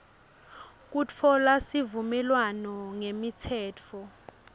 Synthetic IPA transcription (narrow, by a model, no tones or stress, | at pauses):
k̬ut͡fʰɔlasivumɛlwanɔŋemitʰɛːt͡fʰɔ